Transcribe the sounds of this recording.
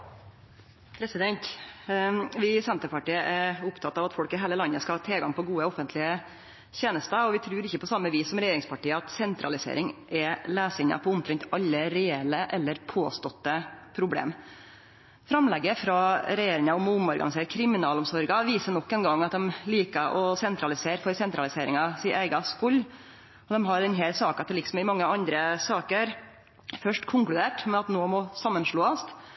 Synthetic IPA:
pʰɾɛsɪd̪ɛnt̪ | ʋɪsɛnt̪əɾpɑʈiːəʔɛɾʊpt̪ʰɑt̪ːɑːʋɑt̪fɔlkɪɦeːləlɑnːəskɑlhɑt̪ʰeːɡɑŋpʰɔɡuːəɔfənt̪ʰlɪə | çeːnəst̪əɔʋɪt̪ʰɾʉːɾɪçːəpɔsɑmːəʋiːsːɔmɾɛjeːɾɪŋspʰɑʈiːəɑt̪sɛnt̪ɾɑ̰lɪsḛːɾʔɪŋʔɛlæːsɪɲɑ̰pʰɔʊnt̪ʰɾɛɲt̪ɑʎːəɾɛɛləʔɛlːəɾpʰoːst̪ɔt̪ːəpʰɾʊblḛːm | fɾɑmlɛɡəfɾɑɾɛjeːɾɪŋɑɔmʊmɔɾɡɑnɪs̬eːɾəkʰɾɪmɪnɑːlɔmsɔɾɡɑʋiːsənɔkːɛnɡɑŋːɑt̪̚d̪ɛmliːkəʔɔsɛnt̪ɾɑlɪseːɾfɔɾsɛnt̪ɾɑlɪseːɾɪŋɑsɪːæɪɡɑskʊlː | ɔd̪ɛmɦɑɾd̪ɛnɦeːlsɑːkɑt̪ʰɪlɪksɔmɪmɑŋːəɑnd̪ɾəsɑːkəæɾ | fœʂʈkʰʊŋklʉd̪eːʈmɛnɑt̪noːmɔsɑmːənʂɭoːɑst̪

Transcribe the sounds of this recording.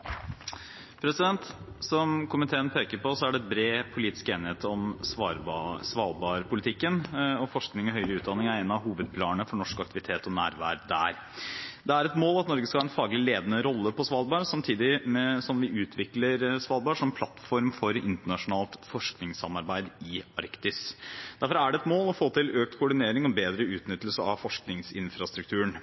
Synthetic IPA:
pʰɾɛsɪd̪ɛnt̪sɔmkʰʊmɪt̪ʰeːənpʰeːkəɾpɔsɔæɖɛɛt̪̚bɾeːpʰʊliːt̪ɪ̥skeːnɪheːt̪ɔmsɑɾsʋɑːlbɑːɾpʰʊlɪt̪ʰɪkːənɔfɔʂknɪŋɔɦœʏɾəʉːt̪d̪ɑnːɪŋæɾænɑʋɦuːʋəd̪̚pʰlɑːnnəfɔɳɔʂkɑk̚t̪ɪʋɪt̪ʰeːt̪ɔnæ̰ːɾʋæ̰ːɾd̪æ̰ɾ | d̪ɛæɾɛt̪moːlɑt̪nɔɾɡəskɑhɑːɾɛnfɑːɡlɪleːd̪ənəɾɔlːəpʰɔsʋɑːlbɑːɾsɑmt̪ʰiːd̪ɪmsɔmʋɪʔʉːt̪ʰʋɪkləɾsʋɑːlbɑːʂɔmpʰlɑt̪fɔɾmfɔɾɪ̰nt̪əɳɑʂʊnɑːlt̪fɔʂknɪŋsɑmɑɾbæɪd̪ɪɑɾkt̪ɪsd̪æɾfɔɾæɖɛɛt̪moːlɔfoːt̪ʰɪlʔøːk̚t̪kʰʊɖɪneːɾɪŋɔbeːd̪ɾəʉːt̪nʏt̪ːlsəɑ̰ʋfɔʂknɪŋsɪnfɾɑst̪ɾʉkt̪ʰʉːɳ

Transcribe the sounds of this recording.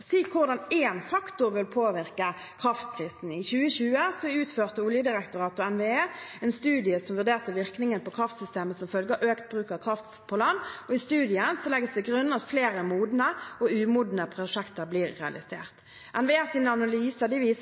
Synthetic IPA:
siːkʰʊʁd̪ɑneːnfɑkt̪ʊʁʋɪlpʰoːʋɪʁkə | kʰʁɑft̪kʰʁiːsn̩ɪçʉːəçʉːəsɔʉːt̪føːʁt̪əʊljəd̪ɪʁɛkt̪ʊʁɑːt̪ʊɛnʋeeːɛnst̪ʉːd̪ɪəsɔmʋʉʁd̪eːʁt̪əʋɪʁknɪŋənpɔkʰʁɑft̪sʏst̪eːməsɔmfœlɡəʔøːkt̪̚bʁʉːkəkʰʁɑft̪ | pʰɔlɑnːɔɪst̪ʉːd̪ɪənsɔlɛɡəsd̪ɛɡʁʉnːɑt̪fleːɾəmuːd̪nəɔʉːmuːd̪nəpʰʁʊʂɛkt̪əɾbliːɾːɛɑ̰lɪ̰sḛːʁt̪ | ʔɛnʋeeːsiːnəɑnɑlyːsəd̪ɛʋiːs

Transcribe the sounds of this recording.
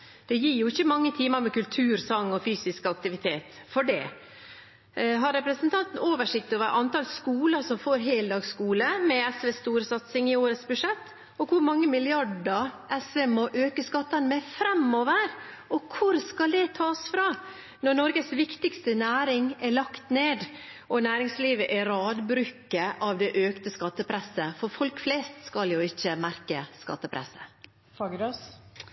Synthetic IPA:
d̪̥ɛjiːɾjʊɪçːəmɑŋːət̪ʰiːməɾmɛkʉlt̪ʰʉːɾsɑŋːɔfyːsɪskɑk̚t̪ɪʋɪt̪ʰeːt̪fɔɖɛ̰ː | ɦɑɾːɛpɾəsənt̪ʰɑnt̪n̩oːʋəʂɪk̚t̪oːʋəɾʔɑnt̪ɑlskuːləsɔmfoːɾɦeːld̪ɑːɡskuːləmɛɛsʋeːst̪uːɾəsɑt̪sɪŋɪoːɾət̪sbʉʂɛt̪ː | ɔkʰʊɾmɑŋːəmɪlɪɑɖəɾʔɛsʋeːmɔʔøːkəskɑt̪ːɑnmɛfɾɛmoːʋəɾɔkʰʊɾskɑld̪ɛt̪ʰɑːsfɾɑː | nɔnɔɾɡəsʋɪkt̪ɪkst̪ənæːɾɪŋɛlɑkt̪neːd̪ʔɔnæːɾɪŋsliːʋəʔɛɾɑːd̪bɾʉkːəʔɑʋd̪ɛʔøːkt̪əskɑt̪ːəpʰɾɛsəfɔɾfɔlkflɛːst̪skɑljʊɪçːəmæɾkəskɑ̰t̪ːəpʰɾɛ̰sə̥ | fɑɡd̪os

